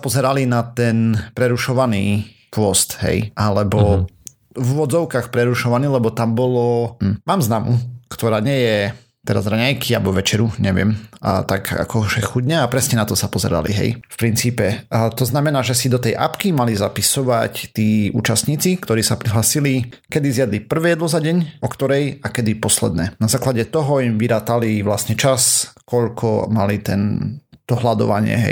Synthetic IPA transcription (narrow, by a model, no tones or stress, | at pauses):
sapɔzɛɾalinat̪ɛnpɾɛɾuʃɔʋaniː | pʊɔst̪ɦɛ̰jʔalɛbɔ | vʋɔd͡zɔʊkaxpɾɛɾuʃɔʋaniːlɛbɔt̪ambɔlɔm̩maːmznamukt̪ɔɾaːɲɪɛjɛ | t̪ɛɾazɾaɲajkʰialbɔʋɛt͡ʃɛɾuɲɛʋɪɛm̰t̪aɡa̰kɔʒɛxuɟɲɛapɾɛsɲɛnat̪ɔsapɔzɛ̰ɾa̰lḭɦɛ̰jfpɾint͡siːpɛt̪ɔznamɛnaːʒɛsid̪ɔt̪ɛjʔa̰pkimalizapisɔʋact̪iːṵːt͡ʃast̪ɲiːt͡sikt̪ɔɾiːsapɾiɦlaːsili | kɛd̪izɪjad̪lipr̩ʋɛːjɛd̪lɔzaɟɛɲʔɔkt̪ɔɾɛjakɛd̪ipɔslɛ̰d̪̚nɛ̰ːnazaːklaɟɛt̪ɔɦɔimʋiɾaːt̪aliʋlasɲɛt͡ʃaskɔʎkʰɔ̰malit̪ɛ̰nt̪ɔɦlad̪ɔ̰ʋaɲɪɛ̰ɦɛ̰j